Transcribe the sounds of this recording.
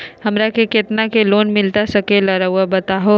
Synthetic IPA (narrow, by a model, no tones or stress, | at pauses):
hɐmɾakekɪt̪nakeloːnmɪlt̪asɐkelɐɾaʊabɐt̪aɦo